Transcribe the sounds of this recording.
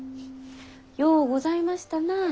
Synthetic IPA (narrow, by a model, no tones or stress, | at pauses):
joːɡo̞zaimaɕi̥t̪ana